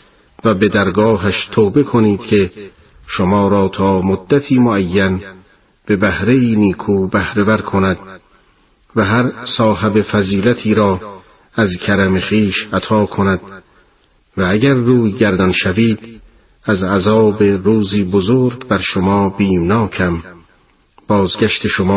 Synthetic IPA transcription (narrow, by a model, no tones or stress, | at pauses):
væbe̞d̪æɾɡɒːɦæʃt̪ʰoːbe̞kʰoniːd̪̥cʰe̞ | ʃomɒːɾɒːt̪ʰɒːmod̪ːæt̪ʰiːmoæjːæn | b̥e̞bæhɾe̞iːniːkʰuːbæhɾevæɾkʰonæd̪̥ | væɦæɾsɒːɦebefæziːlæt̪ʰiːɾɒː | æzcʰæɾæmeχiːʃæt̪ʰɒːkʰonæd̪ | vææɟæɾːuːjɡæɾd̪ɒnʃæviːd̪ | æzæzɒːbeɾuːziːbozoːɾɡbæɾʃomɒːb̥iːmnɒːkʰæm | b̥ɒːzɡʲæʃt̪ʰe̞ʃomː